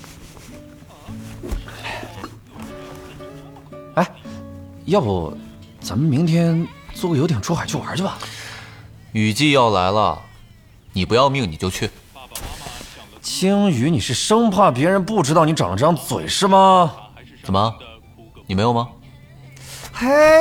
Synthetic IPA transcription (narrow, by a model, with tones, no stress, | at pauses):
a˧˥ɪ | jɑ˥˩ʊ˨˩ | t͡sa˨˩mə˧˦mi˧˥ŋt̪ʰjɛ˥nt͡swɔ˥˧˩kə˩jo˧˥ʊt̪jɛ˨˩nʈ͡ʂʰu˥xa˨˩ɪt͡ɕʰwɐ̰˞˧˥˩bɐ˨˩ | y˨˩t͡ɕi˥˧jɑ˥˩ʊla̰˧˥ɪlə̰˧ | ni˨˩pu˧˥jɑ˥˧ʊmi˥˩ŋni˨˩t͡ɕjo˥˧ʊt͡ɕʰy˥˩ | t͡ɕʰi˥ŋy˧˥ni˨˩ʂɻ̩˥˩ʂɤ˥ŋpʰa˥˩p̬jɛ˧˥ɻə˧˥npu˥˩ʈ͡ʂɻ̩˥t̪ɑ˥ʊni˧˥ʈ͡ʂɑ̰˨˩ŋʈ͡ʂɑ˥ŋt͡swḛ˨˩ɪʂɻ̩˥˩mɐ˨ | t͡sə˨˩mə˦˧ | ni˨˩me˧˥jo˨˩mɐ˧ | xa˥